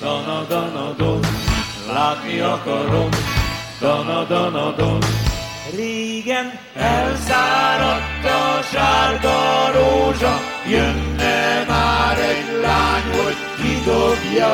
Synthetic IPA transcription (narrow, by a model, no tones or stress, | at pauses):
d̪ɒnd̪ɔnɔd̪o | laːt̪niɒkɒɾom | d̪ɔnɒd̪ɔnɒd̪on | reːɡɛn | ɛlzaːɾɒt̪ːɒʃaːɾd̪ɒɾoːʒɒ | jønːɛmaːɾɛɟlaːɲoɟ | kid̪oɡjɒ